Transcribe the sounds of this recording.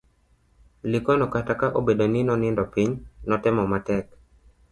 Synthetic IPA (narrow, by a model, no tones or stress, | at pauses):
lɪkɔnɔkatakaʔobedonɪnɔnɪndɔpiɲnɔtɛmɔmatɛk̚